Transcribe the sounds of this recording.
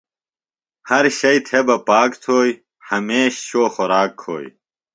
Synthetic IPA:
hɐɾɕɐjt̪ʰebɐpaːkt̪ʰoːj | hɐmeːɕɕoːxoɾaːkʰːo̰ːj

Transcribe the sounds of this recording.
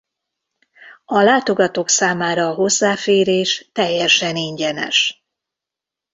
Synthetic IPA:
ɒlaːt̪o̞ɡɒt̪oːksaːmaːɾɒːɦo̞zːaːfeːɾeːʃt̪ɛjːɛʃɛniɲɟɛnɛ̰ʃ

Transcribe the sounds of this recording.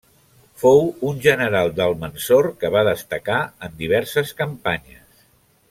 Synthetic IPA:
fowunʲʒənəɾalˠd̪əlˠmənsorkəβaðəst̪əkaənd̪iβ̞ɛɾsəskəmpaɲəs

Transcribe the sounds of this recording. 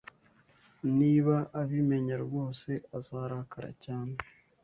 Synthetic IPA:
niːβaʔaβime̞ɲaɾɡoːse̞azaːɾahakʰaɾa̰caːne

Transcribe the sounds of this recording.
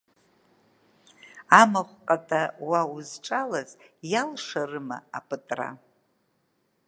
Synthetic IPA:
amaχʷqʼatʼawauzʈ͡ʂʼalazjalʂarɨma̰ːpʰɨtʼra̰

